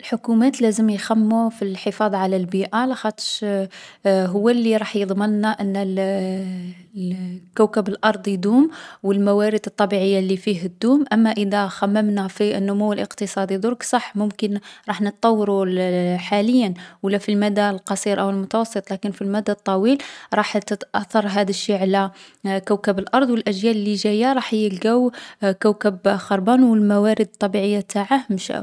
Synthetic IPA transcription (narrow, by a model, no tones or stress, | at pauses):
əlħʊkumæt̪læzəmjxæmːufilħəfɑd̪ˤʕalælbiʔalæxæt̪ə̥ʃ | ɦʊwːælːiɾˤɑħjəd̪ˤmənːaʔənː | kæwkəbəlʔɑɾˤd̪ˤjd̪umwəlmæwæɾəd̪t̪ˤːɑbiʕəjːalifiɦd̪ːumʔæmːæʔəd̪æxæmːəmnæfiənːʊmuwːəlʔə̰qt̪əsˤɑd̪id̪ʊɾksˤɑħːmʊmkənɾˤɑħnət̪ˤːɑwːɑɾuħaləjːənwəlːæfilmæd̪alqɑsˤiɾʔəwəlmʊt̪wɑsˤːət̪ˤlækənfilmæd̪ːat̪ˤːɑwilɾˤɑħt̪ət̪ʔɑθːɑɾˤɦæd̪əʃːiʕlækəwkəbəlʔɑɾˤd̪ˤwəlʔæʒjæləlːiʒæjaɾˤɑħjəlɡæwkəwkəbxɑɾˤbɑnwəlmæwæɾəd̪t̪ˤːɑbiʕəjːat̪aʕahmʃæ̰